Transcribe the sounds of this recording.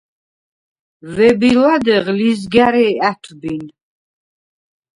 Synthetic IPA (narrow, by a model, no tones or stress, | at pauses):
vɛbilad̪ɛʁlizɡaɾɛːæt̪ʰbin